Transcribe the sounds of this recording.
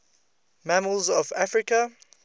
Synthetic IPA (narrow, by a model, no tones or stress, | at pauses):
maməlˠzɔvafɹɪkə